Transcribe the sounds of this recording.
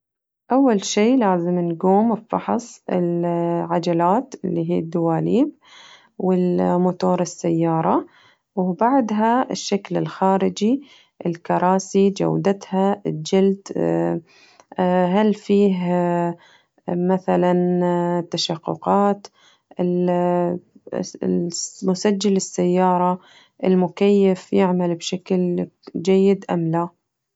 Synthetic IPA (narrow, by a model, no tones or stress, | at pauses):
ʔawːalʃiːlaːzɪmnɡuːmfɑ̰ħsˤɪ̰lʕad͡ʒalaːt̪ɪlːiːɦḭːd̪ːʊwaːliːb̚ | wɪlmʊt̪oːɾˤɪsːajːɑːɾˤɑ | wbaʕd̪ɦaɪʃːaklɪlxaːɾɪd͡ʒi | ʔɪlkɑɾˤɑːsid͡ʒa̰wd̪at̪had͡ʒɪld̪ | ɦalfiːɦ | maθalant̪ːaʃaqːʊ̰qɑːt̪ | ʔɪl | mʊsad͡ʒːalɪsːajːɑːɾˤɑ | ʔɪlmʊkajːafjɪʕmalbʃakld͡ʒajːɪd̪ʔamla